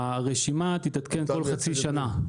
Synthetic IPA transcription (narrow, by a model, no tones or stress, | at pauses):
aʁeʃimat̪it̪at̪ke̞nko̞lχat͡siʃana